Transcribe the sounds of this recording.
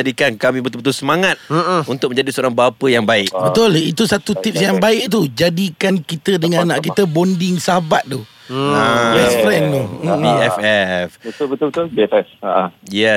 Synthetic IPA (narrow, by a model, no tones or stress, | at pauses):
adikankamĩbət̪ulbət̪̬ulsəmaŋat̪̚unt̪ʊk̚mə̃ɲd͡ʒadisəoɾaŋbapəjaŋbaɪʔbət̪ʊlit̪usat̪ut̪ip̚sjaŋbaɪʔ̚t̪ud͡ʒadikankit̪ədəŋannaʔk̬it̪əbondɪŋsaɦabat̪̚t̪u | ajɛsfɾɛnt̪uiɛfɛfbət̪ʊlbət̪ʊlbət̪ʊlbiɛfɛfaʔajɛ